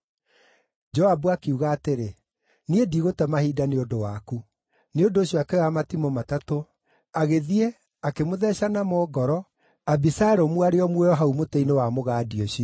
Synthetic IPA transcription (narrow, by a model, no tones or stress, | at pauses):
d͡ʒɔabuakeuɣaːteɾe | niediːɣotɛmahiːdaneondowaku | neondoːɕijɔakɛɔamatimɔmatato | aɣeðie | akemoðɛɕanamɔːɡɔɾɔ | abisaɛɾomwaɾeɔmwɛjɔɦaumotɛinewamoɣaːdioɕiɔ